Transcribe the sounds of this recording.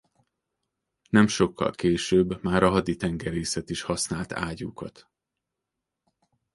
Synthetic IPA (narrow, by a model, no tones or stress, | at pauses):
nɛmʃo̞kʰːɒ̰lkeːʃøːbːmaːɾɒɦɒd̪it̪ɛŋɡɛɾeːsɛt̪iʃhɒsnaːlt̪ʰa̰ːɟuːkɒt̪